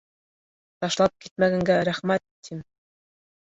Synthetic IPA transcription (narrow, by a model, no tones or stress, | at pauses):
t̪ɑʃlˠɑp̚kit̪̚mæɡæŋɡæɾæχmæt̪ʰːim